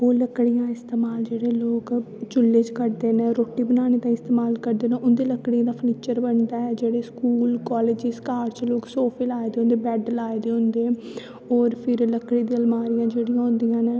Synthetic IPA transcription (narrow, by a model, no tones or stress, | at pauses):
oːləkɽijãːɪst̪eːmaːld͡ʒeːɽeːloːk | t͡ʃʊlːeːd͡ʒkəɾd̪eːnẽːɾoːʈːiːbənaːñeːt̪ãːɪst̪eːmaːlkəɾd̪eːnẽːʔʊnd̪eːləkɽijãːd̪aːpʰəniːt͡ʃəɾbəɳd̪aːɛːd͡ʒeːɽeːskuːlkɔːleːd͡ʒɪskaːɾt͡ʃloːksoːpʰeːlaːed̪eːõnd̪eːbɛːɖlaːed̪eːʊ̃nd̪eː | ɔːɾpʰɪɾləkɽiːd̪ĩːəlmaːɾijãːd͡ʒeːɽijãːʊ̃nd̪ijãːnẽː